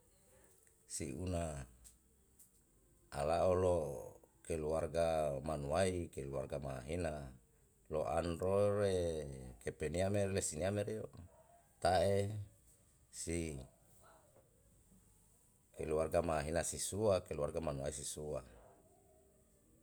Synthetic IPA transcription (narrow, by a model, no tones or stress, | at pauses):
siuna | a̰laolokeluarɡamanuaikelua̰rɡamaɦina | loʔa̰ndoɾekepeniameɾlesiniameɾio | t̪ae | si | keluarɡamaɦinasisuakeluarɡamanuaisisua